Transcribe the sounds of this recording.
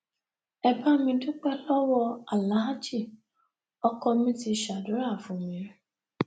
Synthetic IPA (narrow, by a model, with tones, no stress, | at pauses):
ɛ˧ba˦mĩ˧dʊ˦k͡pɛ˦lɔ˦wɔ˧a˨la˨˦a˦t͡ʃi˦˨ | ɔ˦kɔ˧mĩ˦ti˧ʃa˨dʊ˨˦ɾa˦˨fũ˨mĩ˨˦ɾi˦